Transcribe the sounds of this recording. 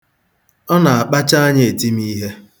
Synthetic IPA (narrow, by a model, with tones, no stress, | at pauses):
ɔ˦na˨a˨k͡pa˦t͡ʃa˦a˦ɲe˦˨e˨ti˦mi˦ɦe˦